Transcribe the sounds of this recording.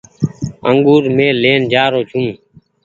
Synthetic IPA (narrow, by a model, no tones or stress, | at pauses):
ə̰ŋɡuːɾmẽːleːnd͡ʒaːɾoːt͡ʃʰũː